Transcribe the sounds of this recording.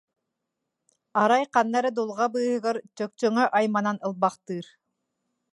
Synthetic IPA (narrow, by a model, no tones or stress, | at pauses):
ɑɾajqɑnːɑɾɯd̪ulˠʁɑbɯːhɯʁɯɾt͡ɕœk̚t͡ɕœŋœʔajmananɯlˠbɑqt̪ɯːɾ